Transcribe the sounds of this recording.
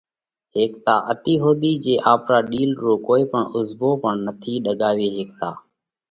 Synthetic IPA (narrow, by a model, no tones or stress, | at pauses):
ɦeːk̚t̪aːʔət̪iːɦoːd̪iːd͡ʒeːʔaːpɾaːɗiːlɾõːkoːiːpəɳʊzboːpəɳnət̪ʰiːɗəɠaːʋeːɦeːk̚t̪aː